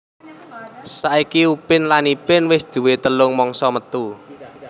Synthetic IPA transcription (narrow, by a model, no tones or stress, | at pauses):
saʔikiupɪnlanipɪnwɪsd̪̥ṳwet̪əlʊŋmɔŋsɔmət̪u